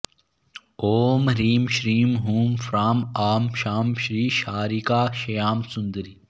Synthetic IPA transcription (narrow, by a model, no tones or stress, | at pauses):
oːmɾiːmʃɾiːmɦuːmfɾaːmaːmʃaːmʃɾiːʃaːɾiːkaːʃɐjaːmsʊnd̪əɾi